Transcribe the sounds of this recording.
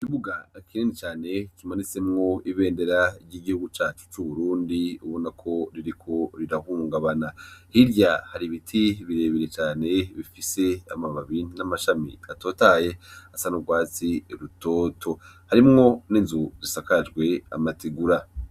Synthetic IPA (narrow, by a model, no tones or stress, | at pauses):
ikiβuɡakʰiɾiːnit͡ʃaːne̞kimanit͡se̞mŋo̞iβe̞ːnde̞ɾaiɾɟiːɡihuɡut͡ʃaːt͡ʃu̥t͡ʃuβuɾuːndiuβo̞nakʰo̞ɾiɾikʰo̞ɾiɾahuːŋɡaβanahiɾɟahaɾiβitʰiβiɾe̞ːβiɾet͡ʃaːne̞βifise̞a̰maβaβiːndinamaʃamḭato̞ːtaje̞asanubɡwaːt͡siɾuto̞ːtʰo̞haɾimŋo̞ninzuzisakad͡ʒɡwe̞a̰matiɡuɾa